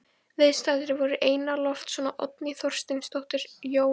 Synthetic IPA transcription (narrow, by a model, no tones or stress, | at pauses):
ðejst̪aːðɪɾɪvɔɾʏʔeːjnalɔft̪sɔnaʔɔt̪nɪθɔr̥st̪ɪnst̪ɔht̪ɪɾ̥joːw